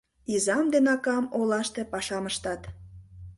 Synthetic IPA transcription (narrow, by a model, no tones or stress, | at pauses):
izɑmd̪enɑkɑmolɑʃt̪epɑʃɑməʃt̪ɑt̪